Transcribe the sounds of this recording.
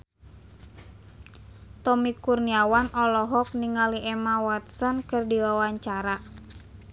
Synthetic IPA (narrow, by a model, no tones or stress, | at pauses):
t̪ɔmikurniawanɔlɔɦɔk̚niŋaliʔɛmawat̪sɔnkɨrdiwawaɲt͡ʃaɾa